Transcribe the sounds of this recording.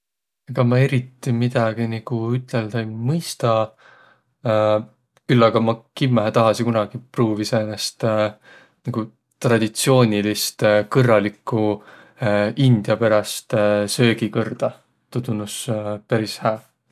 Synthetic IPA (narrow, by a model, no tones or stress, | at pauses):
ɑɡ̥ɑmɑe̞ɾit̪ːˑimid̪̥ɑɡ̥iniɡ̥uyt̪ˑleld̪̥ejmɯjst̪ɑ | kylːɑɡ̥ɑmɑkimːæɦæt̪ɑɦɑsikunɑɡ̥ipruːvisenest̪ | nɑɡ̥u | t̪rɑd̪̥it̪sio̞ːnʲilist̪kɤrːɑlikːˑu | ind̪̥jɑpæɾɑst̪sø̞ːɡikɤrd̪̥ɑ | t̪ud̪unuspæɾishæː